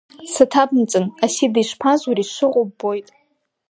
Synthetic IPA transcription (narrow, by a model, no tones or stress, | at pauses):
satʰabmt͡sʼɨnasidiʃʷpʰazuɾiʃʷɨqʷʼʊbbːo̞jtʼ